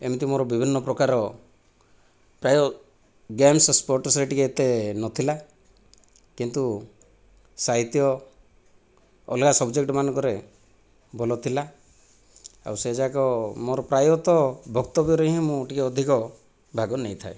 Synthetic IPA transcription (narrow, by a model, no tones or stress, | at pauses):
emit̪imoɾɔbibʱinːɔpɾɔkaɾɔ | pɾajɔ | ɡemsɔspɔɾʈɔsɾeʈikeet̪enɔt̪ʰila | kint̪u | saɦit̪jɔ | ɔ̰lkasɔbd͡ʒek̚ʈɔmanɔ̃ŋkɔɾe | bolɔt̪ʰila | a̰wsed͡ʒakɔmoɾɔpɾajɔt̪ɔbʱɔkt̪ɔbjɔɾeɦĩmũʈikeɔd̪ʱikɔ | bʱaɡɔnejt̪ʰae